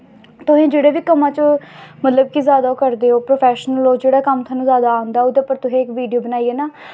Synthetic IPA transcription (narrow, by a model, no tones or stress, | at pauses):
t̪ʊɦẽːd͡ʒeːɽeːʋiːkəmãːt͡ʃəmət̪ləb̚kizjaːd̪aːokəɾd̪eːɦoːpɾoːpʰɛːʃnəloːd͡ʒeːɽaːkəmt̪ʰãːnũːzjaːd̪aːɦʊ̃nd̪aːoːd̪eːpəɾt̪ʊɦẽːɪkʋiːɖijoːbənaːiːeːnaː